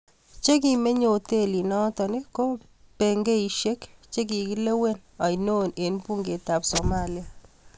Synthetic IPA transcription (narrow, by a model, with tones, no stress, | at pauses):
t͡ʃe˦k̬i˨me˦ɲo˨te˦li˨nɔ˦tɔ˨ni˦ko˦ | pe˨ŋɡe˦i˨ʃe˦kt͡ʃe˦k̬i˨ki˦le˦we˦na˨ino˦ne˨npu˦ŋɡe˨ta˨pso˨ma˦lia˨